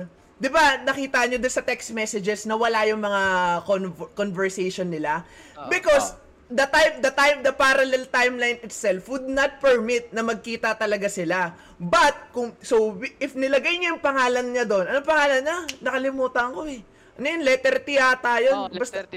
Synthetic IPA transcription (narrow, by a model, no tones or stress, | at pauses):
d̪ɪbanɐkiːt̪ɐɐɲod̪onsɐt̪ɛksmɛsɛd͡ʒɛsnɐwɐlajʊŋmɐŋakonkonvɛɹsejʃonːɪlabɪkos | d̪ɐt̪ajmd̪ɐt̪ajmd̪ɐpaɾɐlɛlt̪ajmlajnɪt̪sɛlfwʊd̪̚nɐt̪̚pɛɹmit̪̚nɐmɐɡ̚kiːt̪ɐt̪ɐlɐɡasɪla | bɐt̪̚kʊŋsowʔɪfnɪlɐɡajɲajʊŋpɐŋaːlɐnɲad̪o̞nʔɐnopɐŋaːlɐnɲanɐkɐlɪmuːt̪ɐɐŋko̞ɛ | ʔɐnojʊnlɛt̪ɛɾt̪ɪaːt̪ɐjonbɐst̪ɐ